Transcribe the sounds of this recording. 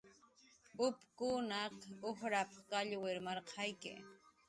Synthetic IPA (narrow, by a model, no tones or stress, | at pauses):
ʊpkʊnɑqohɾapɑχkaʎweɾmɑɾqʰɑjkɪ̰